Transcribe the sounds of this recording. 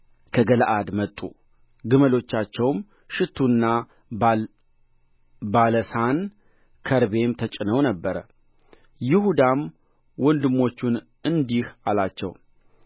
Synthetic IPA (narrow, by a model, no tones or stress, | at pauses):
kʰəɡəlʔad̪mət̪ʼːṵ | ɡɨməlo̞t͡ʃːat͡ʃːɛwm | ʃɪt̪ʰːunːa | baləsan | kʰəɾbe̞mt̪ʰət͡ʃʼɪnəwnəbːəɾə̰ | jɪhud̪am | wɔnd̪ɨmːo̞t͡ʃːun | ɨnd̪ihalat͡ʃːɛ̰w